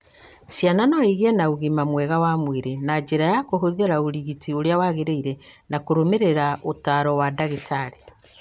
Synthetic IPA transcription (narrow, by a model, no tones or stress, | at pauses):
sjananɔiɣiɛnauɣimamwɛɣawamweɾenad͡ʑeɾajakoɦoðeɾaoɾiɣitioɾeawaɣeɾeiɾɛnakoɾomeɾeɾaotaɾɔwadaɣitʰaɾe